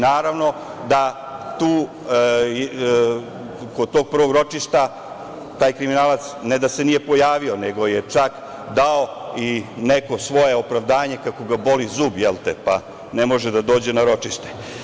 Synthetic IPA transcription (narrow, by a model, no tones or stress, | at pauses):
naːɾaʋno̞ | d̪a | t̪uː | kod̪̚t̪oːɡ̚pr̩ʋo̞ɡɾo̞t͡ʂiʃt̪a | t̪aːjkɾiminaːlat̪snɛd̪asenije̞po̞jaːʋio̞neɡo̞jet͡ʂak | d̪aoineko̞sʋo̞jeopɾaʋd̪aːɲekako̞ɡabo̞lizuːbjelˠt̪epa | nemo̞ʒed̪ad̪o̞ːd͡ʑenaɾo̞t͡ʂiʃt̪e̥